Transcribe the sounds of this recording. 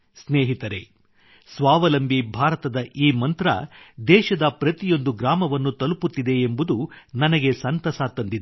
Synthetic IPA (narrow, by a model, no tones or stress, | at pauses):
sneːɦit̪ɐɾḛ | sʋaːʋɐlɐmbibʱaːɾɐt̪ɐd̪ɐʔiːmɐnt̪ɾɐ̰d̪ɛːʃɐd̪ɐpɾɐt̪ijo̞nd̪uɡɾaːmɐʋɐnːut̪ɐluput̪ːid̪e̞ːmbud̪unɐnɐɡe̞sɐnt̪ɐsaːt̪ːɐnd̪id̪e